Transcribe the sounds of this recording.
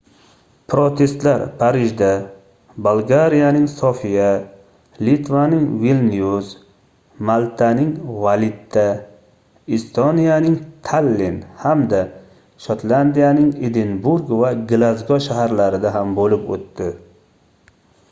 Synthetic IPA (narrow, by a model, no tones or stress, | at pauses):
pʰɾot̪ʰe̞st̪laɾpʰaɾɪʒd̪a | bolˠɡaɾijanɪŋsofija | lit̪vanɪŋvilnijuz | malˠt̪ʰanɪŋvalɪt̪ʰːa | ist̪onijanɪŋt̪ʰalːenhamd̪a | ʃot̪land̪ijanɪŋed̪enbuɾɡvaɡlazɡɒʃaɦaɾlaɾɪd̪aɦambolɪpo̰t̪ːɪ